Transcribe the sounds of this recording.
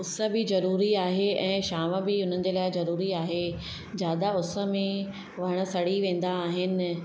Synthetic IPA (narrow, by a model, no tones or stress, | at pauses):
ʊsə̆bɪzɐɾuːɾiaːɦeɛ̃ːʃaːmə̆bɪʊn̤ənɪ̆d͡ʑeːlaːɪzɐɾuːɾiaːɦe | d͡ʑjaːd̪aʊsə̆mẽ | ʋɐəɽ̃ə̆sɐɽiʋẽːn̆d̪aːɦɪnɪ̆